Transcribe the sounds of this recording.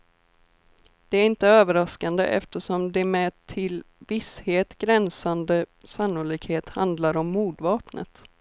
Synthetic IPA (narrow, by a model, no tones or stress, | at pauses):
d̪̥ɛæɾɪnt̪əøːvəɾaskand̪ə̰ʔɛ̰ft̪əʂɔmd̪ɛmɛt̪ʰɪlvɪsheːt̪ɡ̥ɾɛnsand̪əsanːʊliːkheːt̪hand̪laɾɔmːuːd̪vɑːpnə̰t̪